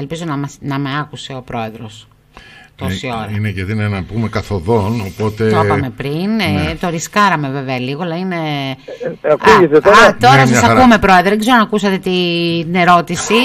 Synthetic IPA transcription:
elpizo̞nɐmɐsnɐmeɐkuse̞o̞pɾo̞e̞ðɾo̞s | t̪osio̞ɾɐineʝeðinenɐpume̞kɐθoðo̞nopo̞t̪e̞t̪opɐme̞pɾint̪o̞ɾiskɐɾɐme̞ve̞veɐliɣolɐine̞ | ɐkuʝeset̪ot̪o̞ɾɐsɐssɐume̞pɾo̞eðɾoðeɡze̞ɾonɐkusɐt̪e̞t̪ine̞ɾo̞t̪isi

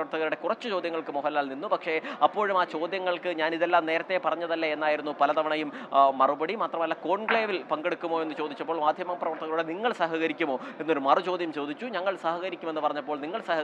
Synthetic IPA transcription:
ɐrt̪ʰːɐɣɐluɽe̞kurɐt͡ɕːɨt͡ɕo̞ːd̪ʱjɐŋːɐɭkɨmoɦɐlaːlninːupɐkʂe̞ɐpːo̞ːɻumaːt͡ɕo̞ːd̪jɐŋːɐɭkɨɲaːniðelːaːmne̞ːɾɐt̪ːe̞pɐrɐɲːɐðɐlːɐenːaːjiɾunːupɐlɐt̪ɐʋɐɳɐjumːɐrubɐɽimaːt̪rɐmɐlːako̞ːɳkɭeːʋilpɐŋɡeɽukːumoːe̞nːɨt͡ɕo̞ːd̪it͡ɕːɐpːoːɭmaːd̪ʱjɐmɐprɐʋɐrt̪ʰːɐɣɐɭuɽeniŋːɐɭsɐɦɐɣɐɾikʲːumo̞ːe̞nːoɾumɐrɨt͡ɕo̞ːd̪ʱjɐmt͡ɕo̞ːd̪it͡ɕːuɲɐŋːɐɭsɐhɐɣɐɾikʲːume̞nːɨpɐrɐɲːɐpːoːɭniŋːɐɭsɐhɐ

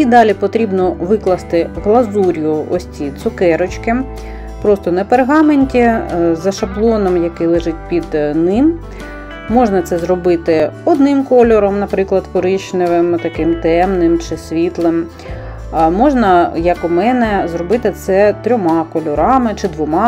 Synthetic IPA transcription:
id̪ɑlʲipɔt̪ɾʲibnɔʋɪklˠɐst̪ɪɦlˠɐzuɾʲjʊɔ̰sʲtʲit̪sʊkɛɾɔt͡ʃkɪm | pɾɔst̪ɔnɐperɦɑmenʲtʲizɐʃɐblˠɔnɔmjɐkɪjlˠɪʒɪt̚ʲpʲid̪nɪmː | ɔʒnɐt̪sɛzrɔbɪt̪ɪɔd̪nɪmkɔlʲɔɾɔmnɐpɾɪklˠɐd̪kɔɾɪʃnɪʋɪmt̪ɐkɪmt̪ɛmnɪmt͡ʃɪsʲʋʲit̪lˠɪm | mɔʒnɐjɐkʊmɛnɛzrɔbɪt̪ɪt̪sɛt̪ɾʲɔmɑkɔlʲɔɾɑmɪt͡ʃɪd̪ʋɔmɑ

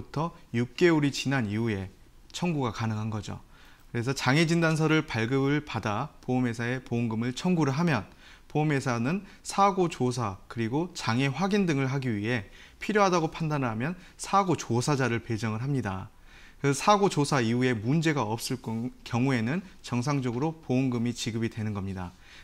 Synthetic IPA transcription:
utʰʌjuk̚k͈e̞oɾit͡ɕinaniue̞ | t͡ɕʰʌŋɡuɡakanɯŋɦanɡʌd͡ʑo̰ | kɯɾe̞sʰʌt͡ɕaŋe̞d͡ʑindans̬ʰʌɾɯɭpaɭɡɯbɯɭpadapoume̞sʰae̞poŋɡɯmɯɭt͡ɕʰʌŋɡuɾɯɭɦamjʌn | pome̞sʰanɯn | sʰaɡot͡ɕosʰakɯɾiɡot͡ɕaŋe̞ɸwaɡindɯŋɯɭɦaɡiɥiɦe̞ | pʰiɾjoɦadaɡopʰandanɦamjʌn | sʰaɡot͡ɕosʰad͡ʑaɾɯɭpe̞d͡ʑʌŋɯɭɦamɲida | kɯsʰaɡot͡ɕosʰaiue̞mund͡ʑe̞ɡaʌp̚s͈ɯɭk͈kjʌŋue̞nɯnt͡ɕʌŋsʰaŋd͡ʑʌɡɯɾopooŋɡɯmit͡ɕiɡɯbidwe̞nɯnɡʌmɲida

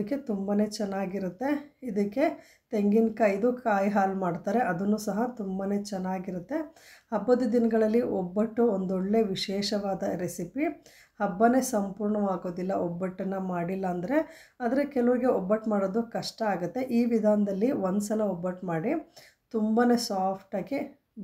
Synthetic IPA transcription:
ɐkːe̞t̪umbane̞ːt͡ʃɛnːaːɡiɾut̪ːe̞id̪ɐkːe̞ | t̪e̞ŋɡinkajid̪ukaːjɦaːlmaːɖt̪aːɾe̞ʔɐd̪ɐnːuːsɐɦɐt̪umbane̞ːt͡ʃɛnːaːɡiɾut̪ːe̞ | hɐbːɐd̪ud̪inɐɡɐɭɐlːiʔɔbːɐʈːuond̪ɔɭːe̞ʋiʃɛːʃɐʋaːd̪ɐɾesipi | hɐbːɐne̞sɐmpuːɾɳɐʋaːɡo̞ːd̪ilːɐʔɔbːɐʈːɐnːɐmaːɽilːɐːnd̪ɐɾe̞ɐd̪ɐɾekɛlɐʋuɾiɡe̞ɔbːɐʈːmaːɽoːd̪ukɐʂʈɐaːɡut̪ːe̞ʔiːʋid̪ʱaːnɐd̪ɐlːiʋond̪sɐlɐobːɐʈmaːɽi | t̪umbane̞saːpʰʈaːɡi

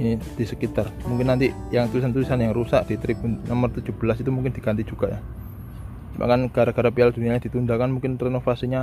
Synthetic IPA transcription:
inid̪̥isəkit̪armuŋkɪnːant̪ijaŋt̪ulisant̪ulisanjaŋrusaʔd̥it̪əɾib̥unɔmərt̪ud̥d͡ʒ̥ub̥əlasit̪umuŋkɪnd̪̥iɡant̪id͡ʒ̥uɡ̥aʔja | ima̰kanɡ̥aɾaɡ̥aɾapiald̥̪uniaɲad̪̥it̪und̪akanmuŋkɪnrenofasiɲa

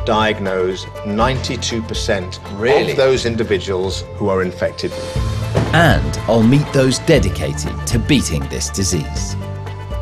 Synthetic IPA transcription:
d̥aɪɨɡnoʊz | nãɪ̃ntʰitʰʉːpʰəsɛ̃nt | ɹɪliðoʊzɪ̃ndɪvɪd͡ʒəwəlˠz̥huəɹɪ̃ɱfɛk̚tʰɪdl | ə̃ndaɪlˠmiˑʔ̪ðoʊzdɛdɪkʰeɪtʰɪ̰d̚tʰəbiˑtʰɪ̰̃ŋðɪ̰sd̥ɪzḭːz̥

